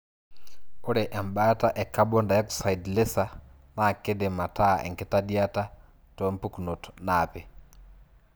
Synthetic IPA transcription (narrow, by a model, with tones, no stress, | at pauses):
u˦ɾɛʔɛ˨mba˦taʔɛ˨kabɔ˦nda˨ja˦ku̥sa˨idle˦sa | na˨ke˦dɛ˨ma˨ta̰˦˨ʔɛ̰˨ŋke˦tadia˦ta˦ | tɔ˦mpu˦kuno˨tɔ̥napɛ˨